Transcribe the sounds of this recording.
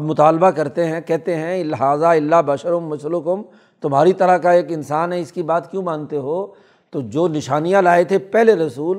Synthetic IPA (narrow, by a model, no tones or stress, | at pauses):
ɐbmʊt̪aːlbakɐɾt̪eɦɛ̃kɛɦt̪eɦɛ̃lɪɦaːzaɪlːabɐʃəɾʊmːʊslʊkʊm | t̪ʊmɦaːɾit̪ɐɾakaeːkɪnsaːnɦɛ̃ɪskibaːt̪kjũmãːnt̪eɦoː | t̪oːd͡ʒoːnɪʃaːnijalaːet̪ʰepɛɦleɾɐsuːl